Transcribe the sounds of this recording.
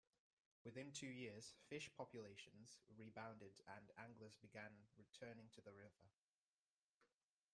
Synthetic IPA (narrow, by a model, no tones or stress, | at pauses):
wɪðɪ̃ntʰʉːjɪəz̥fɪʃpʰɒpjəleɪʃə̃nz̥ɹiːbãʊ̃ndɪdə̃nãŋɡləzbɪɡãnɹɪtʰɜːnɪ̃ŋtʰəðəɹɪvə